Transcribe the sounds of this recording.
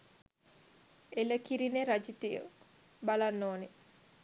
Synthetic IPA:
eləkiɾineɾad͡ʒit̪ijə̰ | balanːoːne

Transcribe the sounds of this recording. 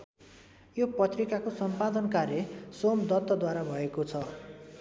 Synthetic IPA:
jopʌt̪rikakosʌmpad̪ʌnkarjʌsomd̪ʌt̪ːʌd̪waɾabʱʌekot͡sʰʌ

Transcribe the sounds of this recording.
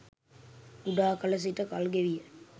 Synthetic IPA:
uɖaːkɐlɐs̬iʈəkalɡeʋijə

